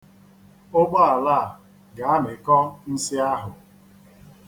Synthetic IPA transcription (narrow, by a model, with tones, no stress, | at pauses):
ʊ˦ɡ͡bɔ˦a˨la˦˨ | ɡa˨a˦nɪ˨kɔ˦n̩˦si˦a˦ɦʊ˨